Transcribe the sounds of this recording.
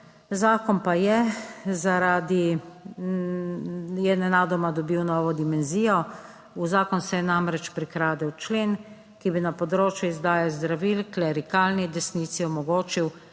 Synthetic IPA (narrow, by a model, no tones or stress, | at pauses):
zaːkɔnpajɛzaɾaːd̪i | jɛnɛnaːd̪ɔmad̪ɔbiwnɔːʋɔd̪imɛnziːjɔ | uzaːkɔnsɛjɛnamɾɛt͡ʃpɾikɾaːd̪ɛwt͡ʃleːn | kibinapɔd̪ɾoːt͡ʃjuizd̪aːjazd̪ɾaʋilklɛɾikaːlnid̪ɛsniːt̪siɔmɔɡoːt͡ʃiw